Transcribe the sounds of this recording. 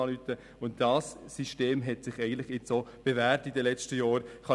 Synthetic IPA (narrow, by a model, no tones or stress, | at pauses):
ɑlytːə | ʊntd̥ɑːsːiʃteːmɦɛtsɪχɛɡəntlɪχɪt͡soːb̥ɛvæːɾtidɛlɛt͡stəjɑːɾχɑ